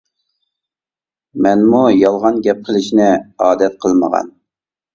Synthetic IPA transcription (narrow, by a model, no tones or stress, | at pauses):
mɛnmujɑlˠʁɑnɡʲɛp̚qʰəlˠɪʃinɪɑːd̪ɛt̪̚qʰəlˠmə̰ʁɑ̰n